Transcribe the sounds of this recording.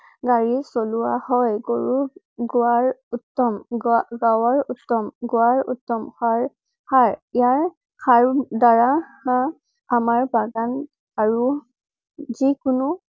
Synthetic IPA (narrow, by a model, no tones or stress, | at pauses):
ɡaɹisɔluwahɔjɡoɹu | ɡuaɹutːɔmɡawɔɹutːɔmɡuaɹṵtːɔmxaɹ | kʰaɹijaɹ | kʰaɹdaɹaa | amaɹbaɡan | aɹu | zikʊnʊ